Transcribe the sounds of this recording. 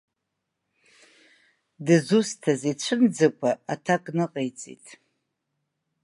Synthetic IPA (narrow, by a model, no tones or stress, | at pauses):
dɨzustʰazet͡ɕʷʰɨnd͡zɨkʷʼaatʰakʼnɨqʼejt͡sʼḭtʼ